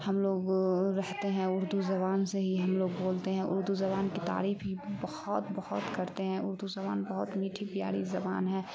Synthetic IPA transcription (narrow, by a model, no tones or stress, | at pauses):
hɐmloːɡɾɛɦt̪eɦɛ̃ʊɾd̪uzɐβaːnseɦiɦɐmloːɡboːlt̪eɦɛ̃ʔʊ̰ɾd̪uzɐbaːnkit̪a̰ːɾiːfɦibɐhʊt̪bɐhʊt̪kɐɾt̪eɦɛ̃ʊɾd̪uzɐba̰ːnbɐɦʊt̪miːʈʰipɪja̰ːɽizɐba̰ːnɦɛ̃ː